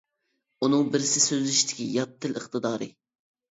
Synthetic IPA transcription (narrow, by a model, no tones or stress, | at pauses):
unɨŋbɪɾɪsɪsøzlyʃit̪ʰɪ̥kʲijɑt̪ʰːɪləχt̪ɨd̪ɑːɾɨ̰